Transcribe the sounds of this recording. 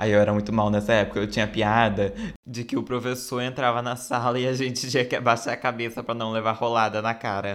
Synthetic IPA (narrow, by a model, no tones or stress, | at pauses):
aiewɛɾɐmũj̃t̪ʊmawnɛsɐɛpʊ̥kɐewt͡ʃĩɲɐpiad̪ɐd͡ʒɪkɪʊpɾofesoɾẽnt̪ɾavɐnɐsalɐɪaʒẽnt͡ʃɪ̥t͡ʃĩɐkɪabaʃaɾɐkabesɐpɾɐnɐ̃w̃levaɾholad̪ɐnɐkaɾɐ